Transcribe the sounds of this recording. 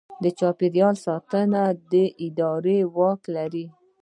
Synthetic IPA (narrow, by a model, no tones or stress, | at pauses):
d̪ət͡ʃɑpɪɾjɑlsɑt̪ənad̪əʔɪd̪ɑɾewɑklaɾi